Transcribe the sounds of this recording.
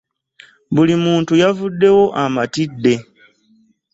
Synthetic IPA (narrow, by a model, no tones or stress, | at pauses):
βulimuːntujavudːe̞wo̞ʔamatidːe̞